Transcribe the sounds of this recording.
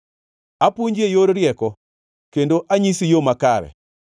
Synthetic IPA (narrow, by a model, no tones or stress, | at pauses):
apuɲd͡ʒejoɾɾɪjɛkɔ | kendoʔaɲisijomakaɾɛ̰